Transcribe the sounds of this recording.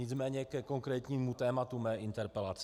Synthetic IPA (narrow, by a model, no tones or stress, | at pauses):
ɪt͡smɛːɲɛkɛko̞ŋkɾɛːt̪ɲiːmut̪ɛːmat̪umɛːʔɪnt̪ɛɾpɛlat͡s